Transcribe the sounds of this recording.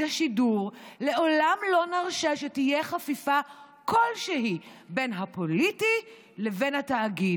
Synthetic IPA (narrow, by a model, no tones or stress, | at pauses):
aʃiduʁle̞ʔo̞lamlo̞naʁʃaʃetijeχafifa | kʰo̞lʃeɦibenɦapo̞liti | levenhataːɡid